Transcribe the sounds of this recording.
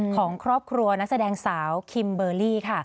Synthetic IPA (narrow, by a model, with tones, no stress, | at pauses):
kʰɔː˩˦ŋkʰɾɔː˥˩p̚kʰɾu˧ɐna˦˥k̚sa˧dɛː˧ŋsaː˩˦wkʰi˧mbɤː˧liː˥˩kʰa˥˩